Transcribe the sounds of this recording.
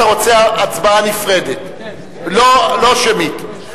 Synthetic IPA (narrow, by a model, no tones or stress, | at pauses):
aʁo̞t͡seaat͡sbaanifʁe̞det | lolo̞ʃemit